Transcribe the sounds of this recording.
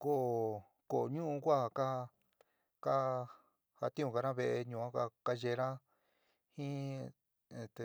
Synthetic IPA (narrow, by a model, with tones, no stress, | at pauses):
ko˦ʔ | ko˨ɲũ˦ʔũ˧kʷa˦ha˧ka˦˧ | ka˦ | ha˧t̪ĩ˦ũ˧ka˧ɾã˦βe˧ʔe˧ɲũː˧˨ã˦ka˧ka˦ʒe˧ɾã˦ | hĩ˦ | e˨t̪e˧